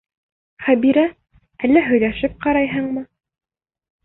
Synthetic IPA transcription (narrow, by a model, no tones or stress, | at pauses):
χæbiɾæ | ælːæɦɵ̆jlæʃɘp̚qɑɾɑjɦɤɴmɤ